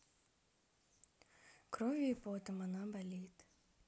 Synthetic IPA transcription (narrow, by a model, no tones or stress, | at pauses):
kɾovʲiːpot̪ɐmɐnabɐlʲit̪